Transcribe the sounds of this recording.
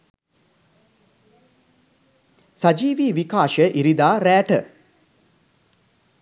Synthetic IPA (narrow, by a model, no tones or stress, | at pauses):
sad͡ʒiːʋiːʋikaːʃəʔiɾid̪aːɾæːʈə